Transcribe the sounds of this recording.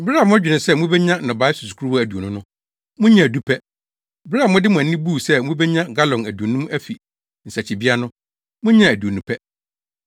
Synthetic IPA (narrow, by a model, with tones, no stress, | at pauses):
bɾa˦˨mʊ̃˦æ˦d͡ʑᶣɪ˨nɪ̃˨sɛ˦mʊ̃˦bɛ˦ɲã˦nɔ̃˨ba˨˦ɪ˦su˨su̥˨kʰu˦ɾu˦wɔ˦æ˨du˨o˨nʊ̃˦nʊ̃˦ | mʊ̃˦ɲã˨du˦pʰɛ˦ | bɪ˦ɾa˦˨mʊ̃˦dɪ˦mʊ̃˨æ˨n˦ɪ̃˦bu˦˨sɛ˦mʊ̃˦bɛ˦ɲã˦ɡa˦lɔ̃˨næ˨du˨o˨nũ˦m˦æ˦fi˨ | n̩˨sa˨t͡ɕʰɪ˨bi˦a˦nʊ̃˦ | mʊ̃˦ɲã˦˨æ˨du˨o˨nũ˨pʰɛ˦